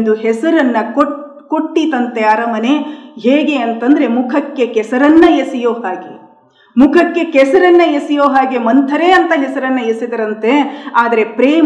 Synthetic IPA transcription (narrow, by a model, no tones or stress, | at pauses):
nd̪uɦɛsɐɾɐnːɐko | koʈːit̪ɐnt̪eaːɾɐmɐneɦeːɡe̞ɐnt̪ɐnd̪ɐɾe̞mukʰɐkːe̞kɛsɐɾɐnːɐjesijoːɦaːɡḛ | mukʰɐkːe̞kɛsɐɾɐnːɐjesijoːɦaːɡemɐnt̪ʰɐɾeɐnt̪ɐɦɛsɐɾɐnːɐjesid̪ɐɾɐnt̪e̞aːd̪ɐɾe̞pɾeː